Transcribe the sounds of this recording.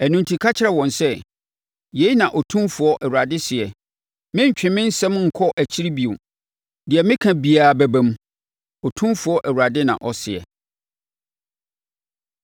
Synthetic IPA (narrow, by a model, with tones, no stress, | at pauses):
æ˨nũ˨n˨tʰi˨kʰa˦t͡ɕʰɪ˦ɾɛ˨wɔ̃˨nsɛ˦ | je˨˦i˦nã˨ʔɔ˨tʰũ˦mfʊ˨ɔ˦ʔɛ˨wu˨ɾa˨dɪ˦sɪ˨ɛ˨ | mɪ̃˦ɲ̩˨t͡ɕᶣɪ̃˨mɪ̃˦n̩˦sɛ̃˦mŋ̩˨kʰɔ˦ʔæ˨t͡ɕʰi˦ɾi˦bi˨o˨ | dɪ˨ɛ˨mɪ̃˦kʰã˨bi˨aː˨bæ˨bæ̃˨m | ɔ˨tʰũ˦mfʊ˨ɔ˦ʔæ˨u˨a˨dɪ˦nã̰˨ʔɔ˨sɪ˨ɛ̰˨